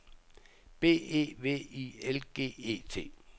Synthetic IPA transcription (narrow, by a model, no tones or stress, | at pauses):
b̥e̝̰ːe̝̰ːʋe̝̰ːielɡ̥e̝̰ːe̝̰ːt͡sʰe̝̰ː